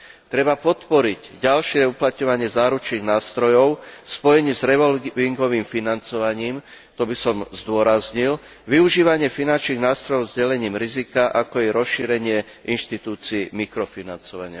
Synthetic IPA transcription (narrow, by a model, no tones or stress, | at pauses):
t̪ɾɛbapɔt̪pɔɾiɟɟalʃɪɛuplat̪ɲɔʋaɲɪɛzaːɾut͡ʃniːɣnaːst̪ɾɔjɔʊfspɔjɛɲiːzɾɛʋɔliŋɡɔʋiːmfinant͡sɔʋaɲiːm | t̪ɔbisɔmzd̪ʊɔɾazɲil | ʋiuʒiːʋaɲɪɛfinant͡ʃniːɣnaːst̪ɾɔjɔʊzɟɛlɛɲiːmɾizikaʔakɔɛɾɔsʃiːɾɛɲɪɛ | ʔinʃt̪it̪uːt͡siimikɾɔfinant͡sɔʋa̰ɲɪa̰